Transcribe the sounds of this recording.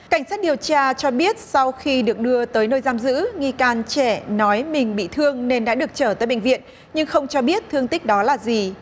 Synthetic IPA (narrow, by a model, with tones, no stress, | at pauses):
ka˧˩jŋ̟saː˦˥t̚ɗi˨˩əwt͡ɕaː˧t͡ɕɔ˧ɓi˦˥ət̚sa˧wxi˧ɗɨ˨˩ək̚ɗɨ˧ət̪əː˨˦jnəː˧jzaː˧mzɨ̰˧˥ŋi˧kaː˧nt͡ɕɛ˧˩nɔ˨˦jmï˨˩ŋ̟ɓḭ˧˨t̪ʰɨ˧əŋne˧nɗa̰ː˧˥ɗɨ˨˩ək̚t͡ɕəː˧˩t̪əː˨˦jɓə̰˧˨ŋ̟vḭ˧˨ən | ɲɨ˧ŋxə˧wŋ͡mt͡ɕɔ˧ɓi˦˥ət̚t̪ʰɨ˧əŋt̪ï˦˥k̟̚ɗɔ˨˦laː˨˩zi˨˩